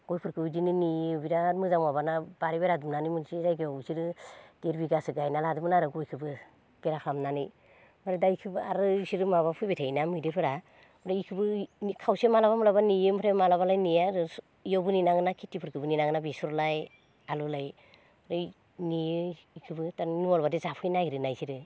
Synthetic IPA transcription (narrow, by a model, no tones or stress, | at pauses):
ɡ̥ojpʰɯɾkʰɯbɯzininijbiɾamɯzaŋmabanabaɾibeɾadumnanimɯnsizajɡiɔwsiɾɯd̥eɾbiɡasɯɡajnaladɯmɯnaɾɯɡojkʰɯbɯ | b̥eɾakʰamnani | maɾedajkʰɯbɯaɾɯsiɾɯmaβapʰujbetʰajnamɯjdepʰɯɾa | ɔɾaikʰɯbɯnikʰawsemalabamulabanijɯmɯɾʰemalaβalajnijaɾɯ | jɔbɯninaŋɯnakʰitːipʰɯɾkʰɯbɯninaŋɯnabesɔɾlaj | alulaj | ɾɯ | nijɯ | ikʰɯbɯtanɔlbadezapʰɯjnaiɾɯnajsiɾɯ